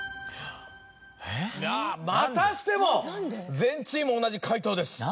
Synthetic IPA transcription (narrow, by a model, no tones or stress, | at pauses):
jamat̪aɕi̥t̪e̞mo̞zẽ̞ɲt͡ɕĩmo̞ːnaʑikʰait̪o̞ːd̪e̞sɨ̥